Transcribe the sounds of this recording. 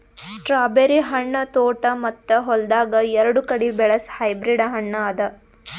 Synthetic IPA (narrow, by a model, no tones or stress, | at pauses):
sʈɾaːbeɾiɦɐɳːɐt̪oːʈɐmɐt̪ːɐɦɔld̪aːɡɐɛɾɐɽukɐɽibɛɭɐshɐjbɾiɖɐɦɐɳːɐːd̪ɐ